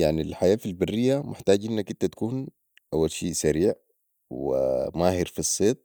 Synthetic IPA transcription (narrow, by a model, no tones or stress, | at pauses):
jaʕnilħajaːfilbarːijːamɪħt̪aːɟʔinːakʔint̪at̪ḁkuːn | ʔawːalʃiːsaɾiːʕ | wimaːhiɾfisˤːeːt̪̚ˤ